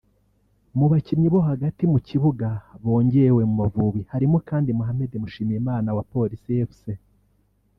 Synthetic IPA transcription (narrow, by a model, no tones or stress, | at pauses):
muβacimɲiβo̞ɦaɡatimuciβuɡaβo̞ːɲɟe̞ɾewe̞mumavuβihaɾimokaːndimuɦame̞demuʃiːmijemaːnawapo̞ɾisijefu̥se